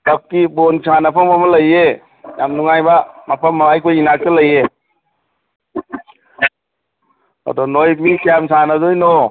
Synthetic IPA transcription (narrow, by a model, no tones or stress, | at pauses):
tɐp̚kibonsʰanapʰamamɐlɐje | jamnuŋajbamapʰamːaŋajkʰojinak̚tɯlɐje | a̰dɔnojmikjamsanazojno